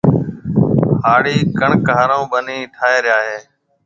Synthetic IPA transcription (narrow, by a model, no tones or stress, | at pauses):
haːɽiːkəɳkaːɾõːbəniːʈʰaːeːɾɪjaːɦeː